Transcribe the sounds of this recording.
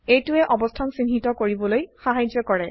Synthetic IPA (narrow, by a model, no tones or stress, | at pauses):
ejtʊɛʔɔbɔstʰansinɦitɔkoɹibɔlojxaɦajd͡ʒɔkɔɹɛ